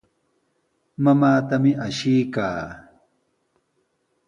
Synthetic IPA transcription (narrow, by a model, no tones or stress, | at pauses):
mamaːt̪amɪʔaʃijka̰ː